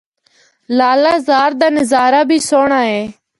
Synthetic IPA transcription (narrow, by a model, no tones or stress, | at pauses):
laːlaːzaːɾd̪aːnɪzaːɾaːbʱiːsoːɳãːɦeː